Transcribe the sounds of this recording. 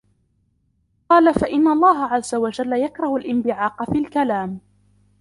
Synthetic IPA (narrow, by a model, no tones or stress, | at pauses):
qɑːlafaʔɪnːalˤːɑːɦaʕazːawad͡ʒalːajakɾˤɑhʊlʔɪmbɪʕɑːqfiːlkalaːm